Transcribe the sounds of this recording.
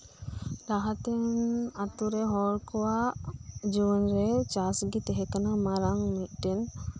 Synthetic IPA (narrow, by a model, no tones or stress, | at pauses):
ɾaɦat̪ɛnat̪uɾɛɦɔɾkɔwaʔd͡ʒuwɔnɾɛt͡ʃasɡit̪ɛɦɛkanamaɾaŋmit̪̚ˀʈɛn